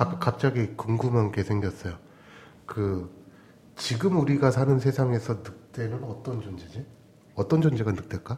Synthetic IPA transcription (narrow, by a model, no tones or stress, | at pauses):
kap̚t͡ɕ͈aɡikuŋɡumanke̞sʰe̞ŋɡjʌs͈ʌjo | kɯ | t͡ɕiɡɯmuɾiɡasʰanɯnsʰesʰaŋe̞sʰʌnɯk̚t͈e̞nɯnʌt͈ʌnd͡ʑond͡ʑed͡ʑe | ʌt͈ʌnd͡ʑond͡ʑeɡanɯk̚t͈eɭk͈a